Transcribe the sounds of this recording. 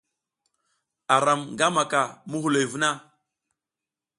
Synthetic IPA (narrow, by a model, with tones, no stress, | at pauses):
a˨ɾa˨mŋɡa˦ma˨ka˨mu˦hu˨lo˨jvu˦na˦